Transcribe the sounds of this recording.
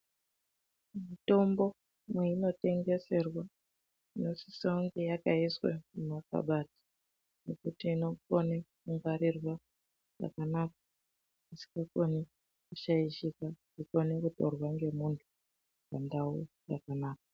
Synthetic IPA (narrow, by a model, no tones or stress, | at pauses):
mito̞mbo̞ | mweino̞te̞ŋɡe̞se̞rwa | ino̞si̥sauŋɡejakaiswa̰munaka̰ɓati̥ | ne̞kutiːno̞konekuŋɡaɾirwa | ʐa̰kanaːk̚ḁ | isi̥kakone | kuʃaiʃika | ikonekutorwaŋɡe̞muntʰu̥ | pandaujakanaːk̚ḁ